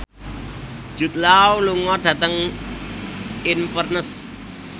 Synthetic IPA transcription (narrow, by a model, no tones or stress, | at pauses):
d͡ʒ̥ṳt̪̚lawluŋɔɖ̥ä̤t̪əŋ | infərnəs